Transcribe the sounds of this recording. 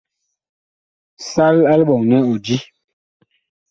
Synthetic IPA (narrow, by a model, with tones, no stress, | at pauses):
sa˦la˦lɓɔ˨ŋnɛ˦o˨di˦